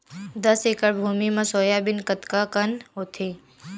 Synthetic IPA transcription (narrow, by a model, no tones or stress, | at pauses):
d̪əseːkəɽbʱuːmimãsoːjaːbɪnkət̪kakənɦoːt̪ʰeː